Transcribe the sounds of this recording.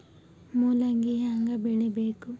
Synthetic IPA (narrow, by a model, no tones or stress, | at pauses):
muːlɐŋɡiɦaŋɡɐbeɭebeːku